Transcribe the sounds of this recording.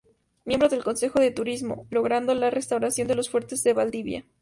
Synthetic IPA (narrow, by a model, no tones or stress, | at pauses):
mjembɾoðe̞lko̞nse̞xo̞ðe̞t̪uɾizmo̞̰lo̞ɣɾand̪o̞lare̞st̪awɾasjo̞nd̪e̞lo̞sfwe̞ɾt̪e̞zðe̞βald̪iβja̰